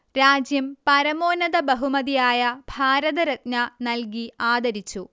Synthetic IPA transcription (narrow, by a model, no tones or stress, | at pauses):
ɾaːd͡ʑjɐmpɐɾɐmoːnɐðɐbɐɦumɐðijaːjɐbʱaːɾɐðɐɾɐt̪̚nɐnɐlk̬iaːd̪ɐɾit͡ɕːu